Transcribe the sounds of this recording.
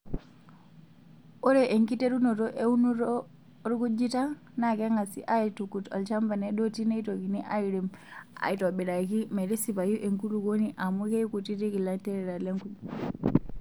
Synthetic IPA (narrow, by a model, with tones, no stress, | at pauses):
o˦ɾe˨ʔe˨ŋki˦te˦ɾu˦no˨to˦ʔe˦u˦nu˦ɾo | ɾku˦d͡ʒi˦ta˦ | na˨ke˦ŋa˨sḭ˦ʔa˦itu˨kuto̰˨lt͡ʃa˦mba˨ne˦ɗo˦ti˦ne˦ito˨ki˨ni˦ʔa̰˦iɾe˨ma̰˨ito˨bi˨ɾa˨ki˦me˨ɾi˦si˨ba˨ju˦ʔe˨ŋku˦ɾu˨ko˦niʔa˨mu˦ke˦jku˨ti˦te˦ki˨la˦te˦ɾe˨ɾa˨le˦ŋku˨